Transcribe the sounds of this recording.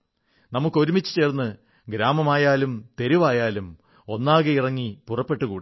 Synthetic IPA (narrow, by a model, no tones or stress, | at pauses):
nɐmukːo̞ɾumit͡ɕːɨ̥t͡ɕe̞ːrnːɨ | ɡɾaːmɐmaːjaːlumt̪e̞ɾuʋaːjaːlum | o̞nːaːɣɐirɐŋːipurɐpːe̞ʈːɨkuːɽi